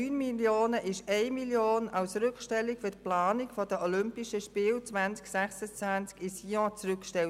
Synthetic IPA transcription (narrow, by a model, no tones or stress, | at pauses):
yːnmiljoːnəʔɪʃɛɪmiljoːnɑlsɾʏkʃtɛlːikfʏɐt̚plaːnikfɔdəɔlʏmpiʃəʃpɪːlt͡sʋant͡sksɛχsət͡sʋænt͡skɪsiːɔ̃t͡sʁʏkʃtɛl